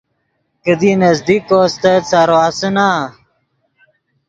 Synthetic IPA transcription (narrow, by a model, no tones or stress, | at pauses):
kəd̪inɐzd̪ikoːst̪ɐt͡saɾoasəna